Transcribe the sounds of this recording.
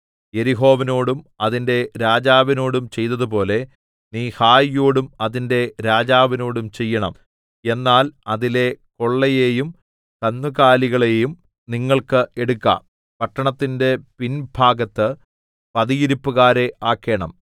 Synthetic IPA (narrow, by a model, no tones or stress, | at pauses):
je̞ɾiɦo̞ːʋino̞ːɽumɐðinde̞ɾaːd͡ʑaːʋino̞ːɽumt͡ɕe̞jt̪ːɐðupo̞ːle̞ | niːhaːjjoːɽumɐðinde̞ɾaːd͡ʑaːʋɐno̞ːɽumt͡ɕe̞jːɐɳɐm | e̞nːaːlɐðile̞ko̞ɭːɐjeːjum | kɐnːuɣaːliɣɐɭeːjum | niŋːɐɭkɨʔe̞ɽukːa̰ːm | pɐʈːɐɳɐt̪ːinde̞pinbʱaːɡɐt̪ːɨ | pɐðijiɾipːuɣaːɾe̞ʔaːkːe̞ːɳɐm